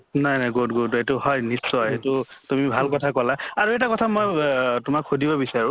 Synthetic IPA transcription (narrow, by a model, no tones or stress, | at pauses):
najnajɡotɡotetʊhɔjnisɔjetʊtumibʱalkɔtʰakɔlaaɹuɛtakɔtʰamojtʊmakʰudibɔbisaɹʊ̃